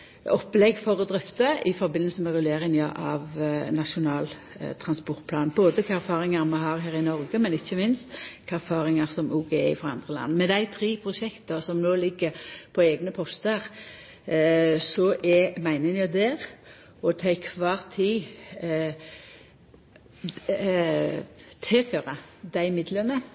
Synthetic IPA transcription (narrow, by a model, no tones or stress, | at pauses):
ɔpːlɛɡfɔɾɔd̪ɾʏft̪əɪfɔɾbɪnːəlsəmɛʁʉleːɾɪŋnjɑʔɑʋnɑʂʊnɑːl | t̪ʰɾɑnspɔʁt̪̚pʰlɑːnboːd̪əkʰɑæɾfɑːɾɪŋɑɾmɑɦɑːʁɦæːɾɪnɔɾɡəmɛnɪçːəmɪnst̪kʰɑæɾfɑːɾɪŋɑɾsɔmuːɡeɪfʁɑɑ̰nd̪ʁəlɑ̰nːəmɛd̪æɪt̪ʰɾiːpʰɾʊʂɛkt̪əsɔmnoːlɪɡːəɾpʰɔɛːɡnəpʰɔst̪əɾ | sɔʔɛmæɪnɪŋjɑd̪ɛːɾ | ɔt̪ʰɛɪkʰʋɑːʁt̪ʰiː | t̪ʰɛføːɾɑd̪æɪmɪd̪lənə